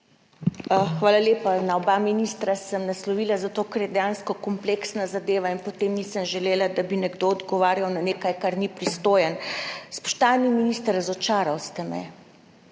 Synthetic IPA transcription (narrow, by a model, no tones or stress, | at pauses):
xʋaːlaleːpanaɔbaminist̪ɾasəmnaslɔʋiːlazat̪oːkəɾjɛd̪ɛjaːnskɔkɔmpleksnazad̪eːʋainpɔt̪eːmnisəmʒɛleːlad̪abinɛɡd̪oɔd̪ɡɔʋaːɾjawnaneːkajkaɾnipɾist̪oːjɛnspɔ̥ʃt̪aːniminist̪əɾazɔt͡ʃaːɾawst̪ɛmɛ̰